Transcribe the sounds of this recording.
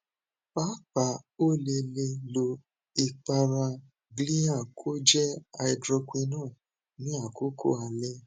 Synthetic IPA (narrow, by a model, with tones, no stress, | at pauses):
pa˦pa˨o˦˨le˧le˧lo˧ | i˨k͡pa˧ɾã˧ | ɡli˦a˦˨kʰo˦d͡ʒɛ˦a˧i˧dɾɔ˧kʷi˧nãː˦˨ | nĩ˦a˦˨ko˦kʰo̰˦˨a˧le˦